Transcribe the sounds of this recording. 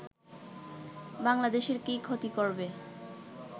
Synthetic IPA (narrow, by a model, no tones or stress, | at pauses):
baŋlad̪eʃeɾkikʰot̪ikoɾbe